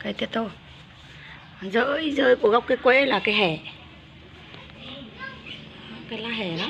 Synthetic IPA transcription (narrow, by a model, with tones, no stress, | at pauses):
kaː˨˦jt̪i˧ət̪ːo˧˨ | zəː˧˦i˨˦zəː˧˩jku˧˩əɣə˧wk͡p̚kaː˨˦jkwɛ˧˥laː˨˩kaː˨˦jɦɛ˨˩˨ | kaː˨˦jlaː˧ɦɛ˨˩la˨˦